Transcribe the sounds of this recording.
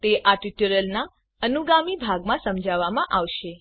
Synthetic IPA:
t̪eʔaʈiʈuɾəlna | ənuɡamibʱaɡmãsəmd͡ʒʱaʋamãʔaʋʃe

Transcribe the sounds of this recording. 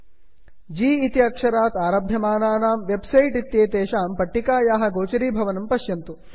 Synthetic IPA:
d͡ʒiːit̪iɐkʂɐɾaːt̪aːɾaːbʱjɐmaːnaːnaːmʋebsɐjʈit̪ːjeːt̪eːʃaːmpɐʈːikaːjaːɦɐ̆ɡoːt͡ʃɐɾiːbʱɐʋɐnɐmpɐʃjɐmt̪u

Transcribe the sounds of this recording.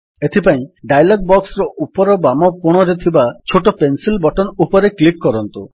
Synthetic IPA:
et̪ʰipaĩɖajlɔɡ̚bɔksɾɔʔupɔɾɔbamɔkoɽ̃ɔɾet̪ʰibat͡ʃʰoʈɔpensilbɔʈɔnupɔɾeklikːɔɾɔnt̪u

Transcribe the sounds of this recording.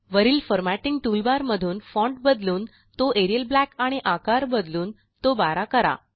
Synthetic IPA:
ʋəɾiːlfəɾmæʈiŋɡʈulbaɾməd̪ʱuːnfɔ̃ɳʈ̚bəd̪luːn | t̪oʔeɾijəlblækaɽ̃iʔakaɾbəd̪luːn | t̪obaɾakəɾa̰

